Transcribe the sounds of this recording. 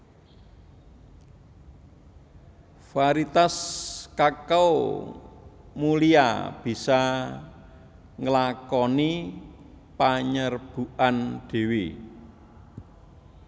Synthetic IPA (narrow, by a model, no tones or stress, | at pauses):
faɾit̪askakaw | mulia̰b̥i̤sa | ŋəlakɔni | paɲərb̥ṳʔand̪̥e̤wi